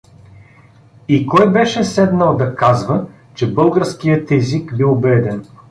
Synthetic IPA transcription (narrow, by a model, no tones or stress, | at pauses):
ikɔjbɛʃɛsɛd̪nəlˠd̪ɐkazvə | t͡ʃɛbɤlˠɡəɾskijət̪ɛzikbibɛd̪ɛn